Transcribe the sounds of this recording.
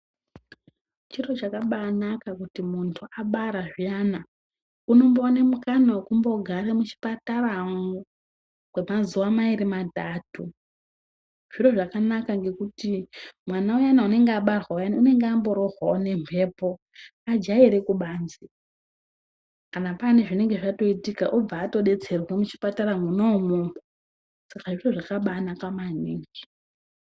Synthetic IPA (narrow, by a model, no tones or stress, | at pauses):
t͡ʃiro̞t͡ʃakaɓanakakutimuntʰuaɓaɾaʐijana | uno̞mboane̞mukanawekumbo̞ɡʱaɾemut͡ʃi̥patarau | kwemazuwamaiɾimadʱaːtu | ʐ̥iro̞ʐakanakaŋɡe̞kutimwanaujanaune̞ŋɡaɓarwaojanune̞ŋɡambo̞ɾorwaone̞mpʰe̞ːpo̞ | ad͡ʒaiɾe̞kuɓaːnzi | kanapane̞ʐine̞ŋɡe̞ʐato̞itikaʔob͡vaːto̞ɗe̞t͡se̞rwemut͡ʃi̥pataramunomomo | sakaʐiro̞ʐakaɓanakamaniːŋɡi